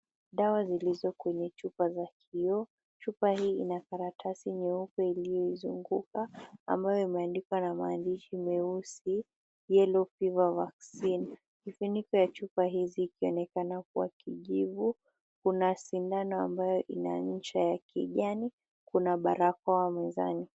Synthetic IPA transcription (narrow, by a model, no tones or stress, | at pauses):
ɗawazilizɔkwɛɲɛt͡ʃupazakʰiɔ | t͡ʃupaɦiːinakaɾatʰasiɲɛukɛilijɔizuŋɡuka̰ːmbajɔimɛandikwanamaːndiʃimɛusi | jɛlɔfivavaksin | kifinikɔjat͡ʃupaɦiziːkiɔnɛkanak̚uwa̰kiʄivu | kunasindanɔambajɔʔina̰ɲ̩t͡ʃajakʰḭʄani | kunaɓaɾakwawamɛza̰ni